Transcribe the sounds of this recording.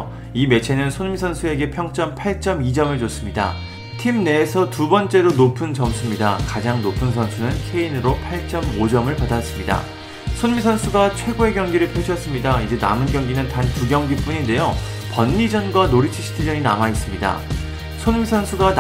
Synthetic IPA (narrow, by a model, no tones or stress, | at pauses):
ime̞t͡ɕʰe̞nɯnsʰonmisʰʌnsʰue̞ɡe̞pʰjʌŋt͡ɕ͈ʌmpʰaɭt͡ɕ͈ʌmid͡ʑʌmɯɭt͡ɕos͈ɯmɲida̰ | tʰimne̞ːsʰʌtubʌnt͡ɕ͈e̞ɾonopʰɯnt͡ɕʌms͈ʰɯmɲidakad͡ʑaŋnopʰɯnsʰʌnsʰunɯnkʰe̞inɯɾopʰaɭt͡ɕ͈ʌmod͡ʑʌmɯɭpadas͈ɯmɲida̰ | sʰonmisʰʌnsʰuɡat͡ɕʰwe̞ɡoe̞ɡjʌŋɡiɾɯɭpʰjeɕʰʌs͈ɯmɲidaid͡ʑe̞na̰mɯnɡjʌŋɡinɯntantuɡjʌŋɡip͈uɲinde̞jo | pʌnːid͡ʑʌnɡwanoɾit͡ɕʰiɕʰi̥tʰid͡ʑʌɲina̰mais͈ɯmɲida̰ | sʰonmisʰʌnsʰuɡan